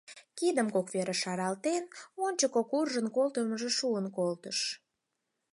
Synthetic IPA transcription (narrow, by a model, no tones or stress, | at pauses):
kid̪əmkokβeɾeʃɑɾɑlt̪enonʲt͡ɕəkokurʒənkolt̪əməʒeʃuənkolt̪əʃ